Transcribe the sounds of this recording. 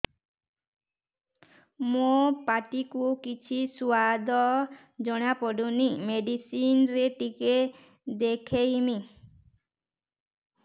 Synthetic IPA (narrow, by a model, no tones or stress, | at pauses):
mopaʈikukit͡ʃʰisuad̪ɔ | d͡ʒɔɽ̃apɔɖunimeɖisinɾeʈike | d̪ekʰejmi